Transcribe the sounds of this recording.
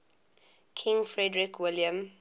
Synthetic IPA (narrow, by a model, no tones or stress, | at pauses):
kʰɪ̃ŋfɹɛdɹɪkʰwɪljə̃m